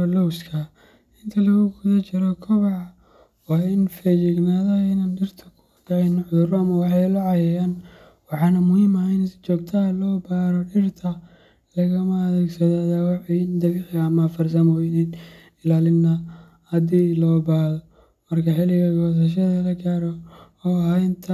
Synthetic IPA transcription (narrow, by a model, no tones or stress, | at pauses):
lɔwskʰɐ | ɪnt̪ʰɐlɐɣʊɡʊðɐt͡ʃɪɾɔkʰɔβɑʕ | wɑːɪnfɛjɪɡnaːðɐɪnaːnɖɪrt̪ʰɐkʰʊ | dɐʕɛjnħʊʊɾɔɐmɐwɑħɑjʊlɑʕɑjɛjaːn | wɑħɑːnɐmʊhiːmɐhɛɪnst͡ʃɔːɡ̚t̪ʰɐɦɐlɔːbaːɾɔɖɪrt̪ʰɐ | lɐɣɐmɐːðɛːɡsɐðaðawɑħiɪnd̪ɐβɪħɐːmɐfɐrsɐmɔːjnin | ɪlaːlɪnːɐ | hɐd̪iːlɔːbaːhðɔ | mɐrkʰɐħɪlɪɣɐɡɔːs̬ɐʃ̬ɐðɐlɐɡʰaːɾɔ | ɔɦaɪnt̪ʰɐ